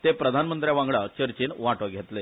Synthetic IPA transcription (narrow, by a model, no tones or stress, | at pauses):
t̪epɾəd̪ʱanmənt̪ɾjaʋãŋɡɭat͡ɕəɾt͡ɕiːnʋaʈʋaɡʱet̪le